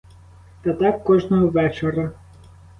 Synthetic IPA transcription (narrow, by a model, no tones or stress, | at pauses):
t̪ɐt̪ɑkːɔʒnɔɦɔʋɛt͡ʃeɾɐ